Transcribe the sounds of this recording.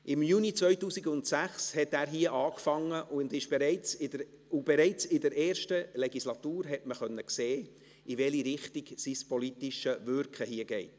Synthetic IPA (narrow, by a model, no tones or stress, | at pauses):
ɪmjuːnit͡sʋœʏtuːsiɡʊntsæχshɛtæːɾɦiːəʔɑːkfɑŋːəʔʊndɪʃb̥ɛɾɛɪt͡s | ʊb̥ɛɾɛɪt͡sɪdəɾʔɛːɾʃtəleɡislɑt̪uːɾɦɛtməχœnːəkseː | ɪvɛliɾɪχtɪɡ̥sispɔlitɪʃəvʏɾkχəhiəɡ̥ɛɪt